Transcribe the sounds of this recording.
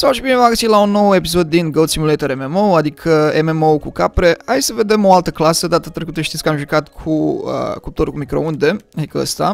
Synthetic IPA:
sawʃibinevaɡəsit̪launːo̞we̞pis̬o̞d̪̚ːinɡowd̪simulejt̪əɾememowad̪ikʰəememoukukapɾe̞hajsəve̞d̪e̞mo̞alt̪əklasəd̪at̪at̪ɾe̞kut̪əʃt̪it̪sʲkəamʒukat̪kʰuə̰kut̪oɾkumikɾo̞und̪e̞ad̪ikəə̰st̪a̰

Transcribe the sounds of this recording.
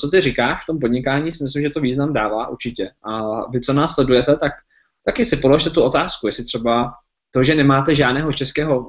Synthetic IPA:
t͡sot̪ɪrɪkaːʃft̪o̞mpo̞dɲɪkaːɲiːsɪmɪslɪmʒɛt̪oviːznamdaːvaːʔṵɾt͡ʃɪcɛʔavɪt͡so̞naːslɛdujɛt̪ɛt̪ak̚ | t̪akɪsɪpoloʃt̪ɛt̪uo̞t̪aːskujɛsɪt̪r̝̥ɛba | t̪o̞ʒɛnɛmaːt̪ɛʒaːdnɛːɦo̞t͡ʃɛskɛːɦo̞

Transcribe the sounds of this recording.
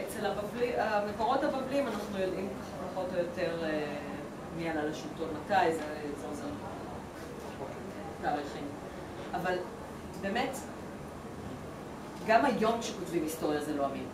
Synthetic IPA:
et͡selabavliameko̞ʁo̞thabavlimanaχnujo̞dʔim | paχo̞tojo̞teʁe | mialalaʃultonmatajzezeozen | o | taʁiχim | aval | be̞ːme̞t | ɡamajo̞mkʃekotvimhisto̞ʁjazelo̞amin

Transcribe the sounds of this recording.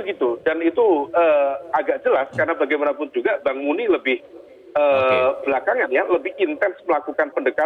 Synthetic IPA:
bəɡit̪udanit̪uəːaɡaʔ̚d͡ʒəlaskarnabaɡajmanapʊn̚d͡ʒuɡabaŋmuniləbɪh | əːb̥lakaŋanjaləbɪhint̪ɛnsməlakukanpəndəka

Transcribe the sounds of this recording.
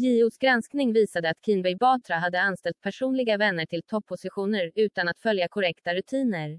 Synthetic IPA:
jiːʊsɡɾansknɪŋviːsad̪əat̪kʰɪnbɛjbɑːt̪ɾaɦad̪ːəanst̪ɛlt̪̚pʰæʂuːnlɪɡavɛnːəʈʰɪlt̪ʰɔpʰːʊsɪɧuːnəɾʉ̟ːt̪anat̪fœljakʰɔɾɛkt̪aɾɵt̪ʰiːnəɾ

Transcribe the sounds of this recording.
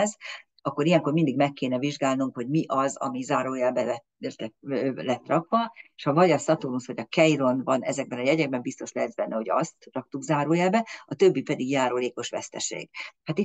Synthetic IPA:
z | ɒkːo̞ɾijɛŋkormind̪iɡmɛkːeːnɛviʒɡaːlnuŋkho̞ɟmiʔɒzɒ̰mizaːɾoːjɛlbɛɛ | rt̪ɛlɛt̪ːrɒkʋɒeʃɒvɒɟɒsɒt̪unusho̞ɟɒkɛjro̞nd̪bɒnɛzɛɡ̚bɛnɒjɛɟɛɡ̚bɛmbist̪o̞ʃlɛzbɛnːɛɦo̞ɟɒ̰st̪rɒk̚t̪uɡzaːɾoːjɛlbɛɒt̪øbːipɛd̪iɡjaːɾoːleːko̞ʃʋɛ̰st̪ɛ̰ʃḛːɡ̥haːt̪i

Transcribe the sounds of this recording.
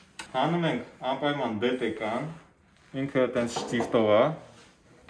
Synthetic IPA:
hɑnumɛŋkʰɑmpɑjmɑnb̪ɛt̪ɛkɑn | iŋkʰət̪ɛnt͡sʰʃt̪ift̪ɔvɑ

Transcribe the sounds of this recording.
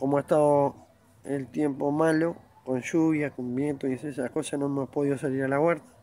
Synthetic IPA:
komoaest̪aðo | elt̪je̞mpomalo | konʃuβjakombjent̪oiesesako̞sanomeopo̞ðiðosaliɾalaɣweɾt̪ḁ

